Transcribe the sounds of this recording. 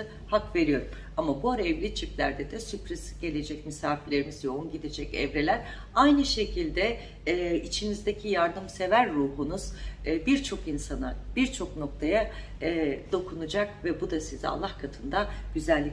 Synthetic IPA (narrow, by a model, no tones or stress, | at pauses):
ɯ | hakve̞ɾijo̞ɾum | amabuaɾaɛvlʲit͡ʃʰiplʲæɾd̪ɛd̪ɛsypɾiz̥ɟ̥e̞lʲe̞d͡ʒɛc̚misaːfilʲe̞ɾimizjo̞unɟid̪ed͡ʒɛcɛ̰vɾelʲæɾ | ajnɯʃe̞cʰilʲd̪ɛ | it͡ʃʰinizd̪ecʰijaɾd̪ɯmse̞væɾːuːɦunuz̥biɾt͡ʃʰo̞kinsanab̥iɾt͡ʃʰo̞kno̞k̚t̪ʰajaː | d̪o̞kʰunud͡ʒak̚vɛbud̪asiza̰lˠːahkʰat̪ʰɯnd̪aɟ̥yzælʲːi